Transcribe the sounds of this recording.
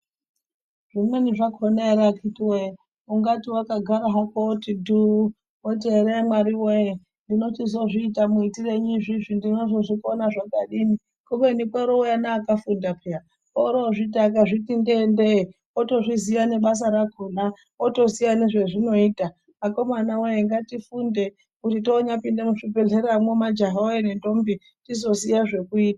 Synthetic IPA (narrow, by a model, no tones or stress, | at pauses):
ʐ̥imweniʐakʰoneɾakʰitiwe | uŋɡatiwakaɡʱaɾaɦakotidu | oteɾemwaɾiweje | ndino̞tizo̞ʐiːtamuitireɲiʐiʐindinozoʐikonaʐakaɗini | komenikwaɾoujanaːkafundapʰea | oɾoʐitak̬aʐitindende | oto̞ʐizijane̞ɓas̬aɾakona | oto̞sijaneʐeʐino̞iːta | ako̞manawejeŋɡatifunde̞ | kutitoːɲapindemuʂibe̞ɮeɾamwemad͡ʒaɦaojene̞ndo̞mbi | tizo̞sijaʐe̞kuiːtaa